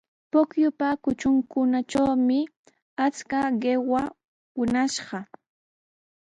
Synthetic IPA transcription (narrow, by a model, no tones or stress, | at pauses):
pʊkjʊpakʊt͡ʃʊŋkʊnat͡ʃawmɪ | at͡skaɢewa | wʊnaʃɢɑ